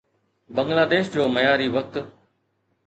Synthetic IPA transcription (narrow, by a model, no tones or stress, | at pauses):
bə̃ŋɡlaːd̪eːʃd͡ʑoːməjaːɾiːʋək̚t̪